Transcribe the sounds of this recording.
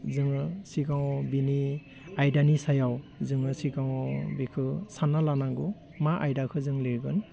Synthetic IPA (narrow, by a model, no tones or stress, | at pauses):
zɯŋɯsikawbini | ajdanisajawzɯŋɯsikawbikʰɯsanːalanaɡu | maʔajdakʰɯzɯŋlɯɡɯn